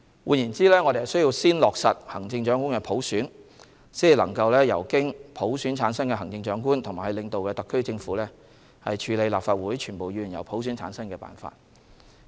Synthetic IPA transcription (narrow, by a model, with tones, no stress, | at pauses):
wuː˧njiː˨˩nt͡siː˥lɛː˥ŋɔː˨˧ɾe˨hɐ˨wsɵ˥ji˧wsiː˥nlɔː˨k̚sɐ˨t̚hɐ˨˩ŋt͡sɪ˧ŋt͡ʃœː˨˥ŋku˥nkɛː˧pʰo˨˥wsyː˨˥n | siː˥ji˨lɐ˨˩ŋkɐ˧wlɛː˥jɐ̰˨˩wkɪ˥ŋpʰo˨˥wsyː˨˥nt͡sʰaː˨˧˥nsɐ˥ŋkɛː˧ɦɐ˨˩ŋt͡sɪ˧ŋt͡ʃœː˨˥ŋk̬uː˥nt̪ʰʊ˨˩ŋmaː˨˩hɐ˨jlɪ˨ŋt̪o˨wkɛː˧t̪ɐ˨kʰːɵ˥ɥt͡sɪ˧ŋfuː˨˥lɛ˥ | hɐ˨jt͡ʃʰyː˨˧le˨˧jlaː˨pfaː˧t̚wuː˨˥jt͡ʃʰyː˨˩npo˨wjyː˨˩njɐ˨˩wpʰo˨˥wsyː˨˥nt͡sʰaː˨˧˥nsɐ˥ŋkɛː˧pa̰ː˨˩nfa̰ː˧t̚